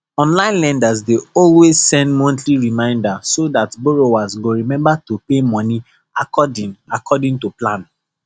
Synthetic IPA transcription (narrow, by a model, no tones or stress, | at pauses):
ɔ̃nlãɪ̃nlɛ̃ndazdeɔlwezsɛ̃ndmɔ̃ntliɹimãɪ̃ndasodatboɹowasɡoɹimɛ̃mbatupemɔ̃ni | akɔdĩŋakʰɔdĩŋtuplãn